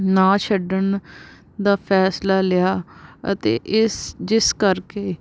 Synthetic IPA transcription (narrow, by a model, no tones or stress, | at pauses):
nãːt͡ʃʰəɖən | d̪aːpʰɛːslaːlɪjaːə̰t̪ḛːʔɪsd͡ʒɪskəɾkeː